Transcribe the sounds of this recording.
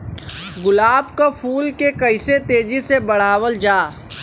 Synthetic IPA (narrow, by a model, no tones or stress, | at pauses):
ɡʊlaːbkapʰuːlkekɐɪset̪eːd͡ʒisebɐɽ̤aːwəld͡ʒaː